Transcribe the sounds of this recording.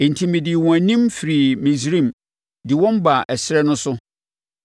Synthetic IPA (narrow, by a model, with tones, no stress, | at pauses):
ẽ˨n̩˨tʰĩ˨mɪ̃˨dɪ˨wɔ̃˨æ˨nĩ˦mfi˨ɾi˨mĩ˨sɾĩ˦˨m | dɪ˨wɔ̃˦mba˨ʔɛ˨sɪ˦ɾɛ˦nʊ̃˦sʊ˦